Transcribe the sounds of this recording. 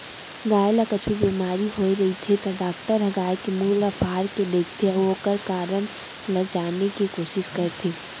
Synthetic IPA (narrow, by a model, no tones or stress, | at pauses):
ɡaːjlakət͡ʃʰubimaːɾiɦoːiɾɐɦit̪ʰit̪ɔɖaːk̚ʈəɾəɡaːekimuːləpʰaːɾked̪eːkʰt̪ʰeokəɾkaːɾən | ləd͡ʒaːnekikoːʃɪʃkəɾt̪ʰiː